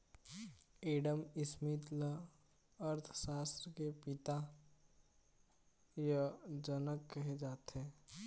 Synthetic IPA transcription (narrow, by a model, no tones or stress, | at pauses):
eːɖəmɪsmit̪lə | əɾt̪ʰsaːst̪ɾəkepɪt̪a | jəd͡ʒənəkːəɦed͡ʒaːt̪ɦẽː